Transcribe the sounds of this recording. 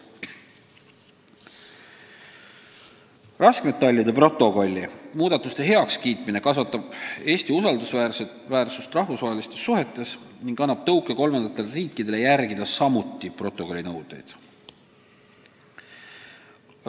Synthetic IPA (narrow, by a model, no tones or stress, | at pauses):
rɑskmet̪ːeɑlʲjɑd̪e̞pro̞t̪ˑːo̞ko̞lʲːimuːd̪̥ɑt̪ːˑust̪e̞ɦe̞ɑkskiːt̪mine̞kɑsvɑt̪ːˑɑb̥e̞ːsʲt̪iusɑld̪usværse | væːrsust̪rɑhfusvɑɦelist̪e̞sːuɦe̞t̪ːˑe̞sniŋɡ̥ɑnːɑb̥̚t̪ɤwkːˑeko̞lmɑnd̪̥ɑt̪ːˑe̞lriːkːˑid̪̥e̞le̞jærɡid̪ɑsɑmut̪ːˑipro̞t̪ˑːo̞ko̞lʲːinɤwd̪̥ˑḛjd̪̥